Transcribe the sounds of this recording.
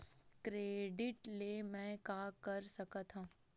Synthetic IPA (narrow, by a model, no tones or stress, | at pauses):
kɾeːɖɪʈlemɛ̃kaːkəɾsɐkat̪ʰɦãː